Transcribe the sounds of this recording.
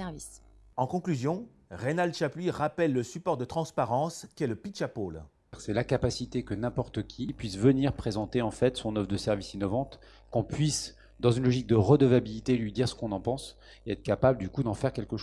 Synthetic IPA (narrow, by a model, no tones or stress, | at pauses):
ɛvis | ɑ̃kɔ̃klyzjɔ̃ | ʁenald̪ʃapliʁapɛlːəsypɔʁd̪ət̪χɑ̃spaʁɑ̃skʲiɛləpiʃapol | ʁsɛlakapasit̪ekənɛ̃pɔʁt̪əkʲipɥisvəniʁpχezɑ̃t̪eɑ̃fɛt̪sɔ̃nɔfd̪əsɛʁvisinɔvɑ̃t̪ | kɔ̃pɥis | d̪ɑ̃zynlɔʒik̚d̪əʁəd̪əvabilit̪elɥid̪iʁsə̥kɔ̃nɑ̃pɑ̃s | eɛt̪χəkapabləd̪ykud̪ɑ̃fɛʁkʲɛlkəʃ